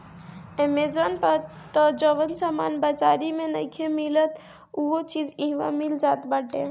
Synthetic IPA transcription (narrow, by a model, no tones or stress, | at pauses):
emezənpəɾ | t̪ɔd͡ʒɔʋənsaːmaːnbɐt͡ʃaːɾimẽnə̰kʰemilət̪ | uɦot͡ʃiːzĩɦʋã̰mɪld͡ʒaːt̪bɐʈːḛ